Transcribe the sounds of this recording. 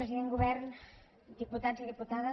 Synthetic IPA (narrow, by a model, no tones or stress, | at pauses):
ɾeziðeŋɡuβɛɾn | d̪iput̪ansiðiput̪aðɐ